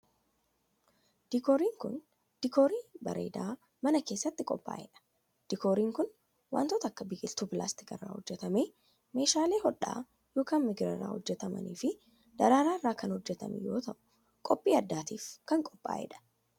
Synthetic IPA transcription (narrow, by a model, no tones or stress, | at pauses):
d̪̥ɪkoːɾiːŋkʊ̰n | d̪̥ɪkoːɾiːbɐ̰ɾʔḛːd̪aː | mɐnɐke̞ːsːɐt̪ːɪkʼɔpʼːa̰ːjɛ̰ᶑɐ̥ | d̪̥ɪkoːɾiːŋkʊn | wa̰ːnt̪ot̪ɐɐkːɐbɪkʼɪlt̪uːpɪla̰ːst̪ɪkɪ̰rːa̰ːhɔd͡ʒːɛt̪ɐmeː | me̞ːʃaːle̞ːɦɔᶑa̰ː | joːkaːnmɪɡɾɐ̰rːa̰ːhɔd͡ʒːɛt̪ɐmɐ̰nḭːfɪ | d̪̥ɐɾaːɾaːɪrːaːkɐnhɔd͡ʒːɛt̪ɐ̰mɪ̰jo̞ːt̪ɐʔʊ̥ | kʼɔpʼːiːɐd̪ːaːt̪iːfkɐŋkʼɔpʼːa̰ːjɛ̰ᶑɐ̥